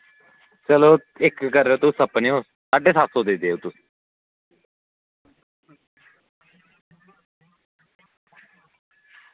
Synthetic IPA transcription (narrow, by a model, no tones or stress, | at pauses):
t͡ʃəloː | ɪkːəɾeoːt̪ʊsəpneːɦo | saːɖeːsaːsoːd̪eːd̪eːoːt̪ʊsi̥